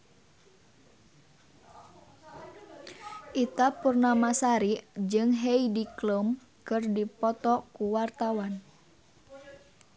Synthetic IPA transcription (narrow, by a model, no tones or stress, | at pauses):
ʔit̪apurnamasaɾid͡ʒɨŋɦejdikləm | kɨrdipɔt̪ɔkuwart̪awan